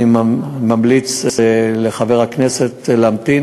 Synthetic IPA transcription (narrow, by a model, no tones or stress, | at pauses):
imamlit͡sleχave̞ʁakne̞set̪lamt̪i